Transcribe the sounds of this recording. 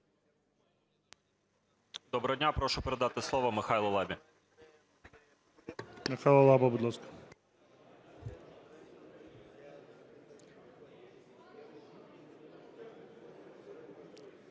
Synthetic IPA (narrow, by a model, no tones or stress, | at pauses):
d̪ɔbɾɔdʲnʲapɾɔʃʊpeɾed̪ɑt̪ɪslˠɔʋɔmɪxajlˠɐlˠɑbʲi | mɪxajlˠɐlˠɑbɐbud̪lˠaskɐ̥